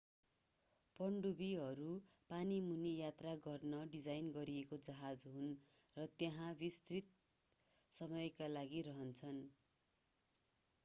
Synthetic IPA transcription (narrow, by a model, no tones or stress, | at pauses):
pʌɳɖubiɦʌɾu | panimunijat̪raɡʌrnʌɖid͡zajnɡʌɾiekod͡zʌɦad͡zɦun | rʌt̪jaɦãbist̪rit̪̚ | sʌmʌjkalaɡiɾʌɦʌnt͡sʰʌn